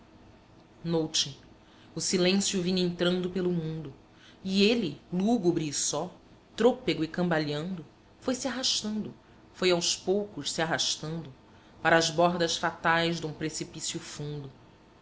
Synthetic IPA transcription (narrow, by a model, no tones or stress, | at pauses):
nowt͡ʃɪ | ʊsilẽsjʊvĩɲẽnt̪ɾɐ̃nd̪ʊpelʊmũnd̪ʊ | ieliluɡubɾiːsɔ | t̪ɾopeɡʊɪkɐ̃mbaʎɐ̃nd̪ʊ | fojsiaɦaʃt̪ɐ̃nd̪ʊ | fojawspowkʊʃsiaɦaʃt̪ɐ̃nd̪ʊ | paɾɐːzbɔɾd̪ɐsfat̪ajzd̪ũpɾesipisjʊfũnd̪ʊ